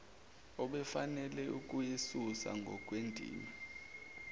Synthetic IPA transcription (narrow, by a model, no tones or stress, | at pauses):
ɔɓɛfanɛlɛuk̬ʼujesusa̰ŋɡʱɔk̬ʼwendʱḭːma